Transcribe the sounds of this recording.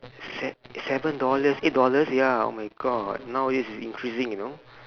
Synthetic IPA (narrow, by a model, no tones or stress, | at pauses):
sɛsɛvə̃ndɔləset̚dɔləsjao̰maɪɡɔd̚nawdisisḭ̃nkʰɹisɪ̃ŋjuno